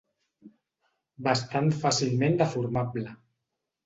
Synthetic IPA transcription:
bast̪ant̪fasilˠmend̪əfuɾmablə

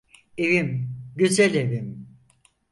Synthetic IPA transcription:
evimɟyzælevim

